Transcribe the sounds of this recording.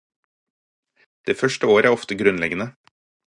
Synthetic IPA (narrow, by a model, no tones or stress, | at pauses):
d̪̥eːfœʃʈəoːɾəæːɔft̪əɡɾʉnlɛɡənə